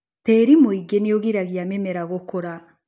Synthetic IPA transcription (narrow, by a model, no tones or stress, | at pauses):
teɾimoiɡenijoɣiɾaɣijamemeɾaɣokoɾa